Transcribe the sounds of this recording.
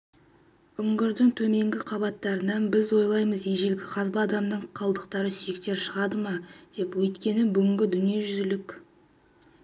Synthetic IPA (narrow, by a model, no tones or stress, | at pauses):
ʏŋɡʲɪɾd̪ɪŋt̪ʰɵme̞ŋɡʲɪqʰɑbɑt̪ːɑɾənɑnbɪzwo̞jlˠɑjməzejʒe̞lɡʲɪqʰɑzbɑːd̪ɑmd̪əɴqʰɑlˠd̪əqt̪ɑɾəsʏje̞kt̪e̞ɾʃəʁɑd̪əmɑd̪̥e̞pwɵjt̪kʲe̞nɪbʏɡʲɪŋɡʲɪd̪ʏnije̞ʒʏzɪlɪkʲ